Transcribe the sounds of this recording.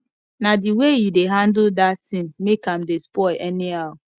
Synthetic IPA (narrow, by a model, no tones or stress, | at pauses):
nadiwejideɦandʊdatɪ̃mmekamdɪspɔɪʔɛnɪaʊ